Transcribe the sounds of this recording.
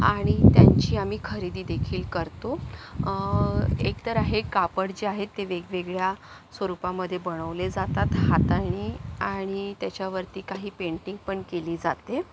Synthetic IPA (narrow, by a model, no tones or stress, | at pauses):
aɽ̃it̪jaɲt͡ɕiːamiːkʰəɾid̪iːd̪ekʰiːlkəɾt̪o | ekt̪əɾaɦekapəɽd͡ʑeaɦet̪ːeʋeɡʋeɡɭja | sʋəɾupaməd̪ʱːjebəɳ̃əʋled͡zat̪at̪hat̪aɽ̃iːaɽ̃it̪jat͡ɕjaʋəɾt̪iːkaɦiːpeɳʈiŋɡ̚pəɳkeliːd͡zat̪e